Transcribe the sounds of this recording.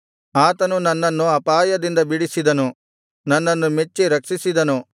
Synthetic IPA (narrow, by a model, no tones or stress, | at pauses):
aːt̪ɐnunɐnːɐnːuɐpaːjɐd̪ind̪ɐbiɽisid̪ɐnu | nɐnːɐnːumet͡ʃːiɾɐkʂisid̪ɐnu